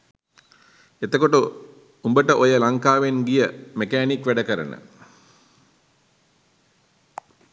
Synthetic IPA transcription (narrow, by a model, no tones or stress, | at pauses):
et̪əkoʈu | umbəʈəʔojəlaŋkaːʋenɡijəmekæːnikʋæɖəkəɾə̰nə̰